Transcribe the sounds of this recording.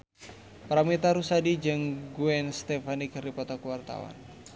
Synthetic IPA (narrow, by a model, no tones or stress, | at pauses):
pɾamit̪aɾusadid͡ʒɨŋɡuɛnst̪ɛfanikripɔt̪ɔkwart̪a̰wa̰n